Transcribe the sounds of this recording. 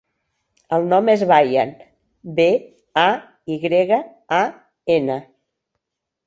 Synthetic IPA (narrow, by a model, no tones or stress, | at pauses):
əlˠnɔmezβajan | be | a | iɣɾeɣə | a | enə